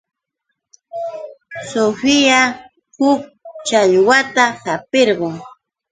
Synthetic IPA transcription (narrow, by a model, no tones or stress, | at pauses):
sofɪja | hʊk̚t͡ʃaʎwat̪ahapeɾɢoŋ